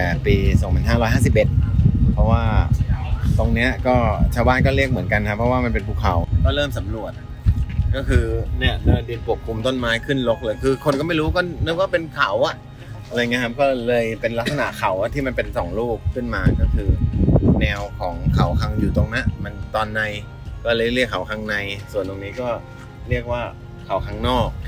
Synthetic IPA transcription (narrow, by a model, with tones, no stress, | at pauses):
ɛː˨˩piː˧so˨˩˦ŋʰma˨˩˦nɦaː˥˩ɾɔː˦jhaː˥˩si˨˩p̚ʔe˨˩t̪̚pʰɔ˦˥waː˥˩ | t̪o˧ŋni˦˥ɐkɔː˥˩t͡ɕʰaː˧wbaː˥˩nkɔː˥˩ɾi˥˩ək̚mɯ˩˦ənka˧nkʰa˦˥pʰːɾɔ˦˥waː˥˩ma˧npe˧npʰuː˧˩kʰa̰˨˩˦wkɔː˥˩ɾɤː˥˩msa˩˦mnu˨˩ət̪̚ | kɔː˥˩kʰɯː˧ni˥˩ɐlaː˧˩diː˧˩t̪pʰu˨˩ək̚ʰːu˧mt̪o˥˩nmaː˦˥jkʰɯ˥˩nlo˦˥k̚lɤː˧jkʰɯː˧kʰo˧nkɔ˥˩ma˥˩jɾuː˦˥kɔː˥˩nɯː˦˥kɔː˥˩pe˧nkʰa˨˩˦wa˨˩ʔ | a˧ɾa˧jŋi˦˥kʰa˦˥p̚kɔː˥˩lɤː˧jpe˧nla˦˥k̪̚t̚sa˧na̰˨˩˦kʰa˩˦wʔa˨˩t̪ʰiː˥˩ma˧npe˧nsɔː˩˦ŋluː˥˩kʰːɯ˥˩nmaː˧kɔː˥˩kʰɯː˧nɛː˧wkʰɔː˩˦ŋkʰa˨˩˦wkʰa˧ŋjuː˨˩t̪o˧ŋna˦˥ma˧nt̪ɔː˧nːa˧j | kɔː˥˩lɤː˧li˥˩əkʰːa˨˩˦wkʰa˧ŋna˧jsu˨˩ənt̪o˧ŋniː˦˥kɔː˥˩ | ɾi˥˩ək̚waː˥˩ | kʰa˨˩˦wkʰaː˧˥ŋnɔː˥˩k̚